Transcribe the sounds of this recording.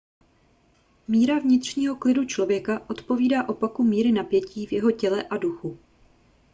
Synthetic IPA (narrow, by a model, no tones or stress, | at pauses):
miːɾavɲɪt̪r̝̥ɲiːɦo̞klɪdut͡ʃlo̞vjɛkaʔo̞t̪po̞viːdaːʔo̞pakumiːɾɪnapjɛciːvjɛɦo̞cɛlɛʔaduxu